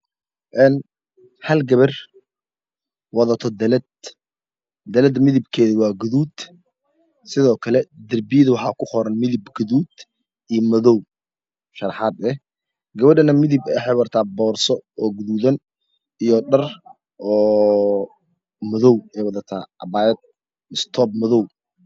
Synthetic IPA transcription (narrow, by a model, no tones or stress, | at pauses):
ʔɛːn | hɐlɡɐβɐr | wɑðɐt̪ʰɔd̪ɐlɐd̪̚ | d̪ɐlɛd̪mɪðɪbkʰɛːðʊwɑːɡʊðuːd̪̥ | sɪðɔːkʰɐlɛd̪ɐrbɪjðʊwɑħɑːkʰʊqɔɾɐnmɪðɪbɡʊðuːd̪ | ʔijɔmɐðɔw | ʃɐɾɑħɑːd̪ɛ | ɡɐβɐɖɐnɐmɪðɪbɛħɛjwɐrt̪ʰaːbɔːrsɔɔːɡʊðuːðɐn | ijɔɖɐr | ʔɔː | mɐðɔwɛjwɑðɐt̪ʰa̰ːʔɐbaːjɛd̪̚ | ɪst̪ʰɔːb̚mɐðɔw